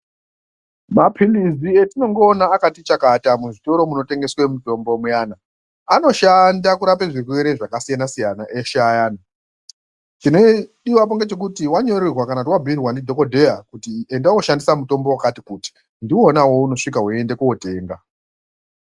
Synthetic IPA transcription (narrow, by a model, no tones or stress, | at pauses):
mapʰilizietino̞ŋɡo̞ːnaːkatit͡ʃakatamuʐito̞ɾo̞muno̞te̞ŋɡe̞swemuto̞mbomujaːna | ano̞ʃandakuɾape̞ʐirweɾeʐakasijanasijanaʔeʃajaːna | tino̞ɗiwap̬oŋɡe̞t͡ʃe̞k̬utiwaɲo̞rirwakanautiwabʱiirwanidʱokodʱe̞jakutie̞ndawoʃandisamuto̞mbowakatikuti̥ | ndiwonawo̞uno̞ʂikaɦue̞nde̞kuwote̞ːŋɡa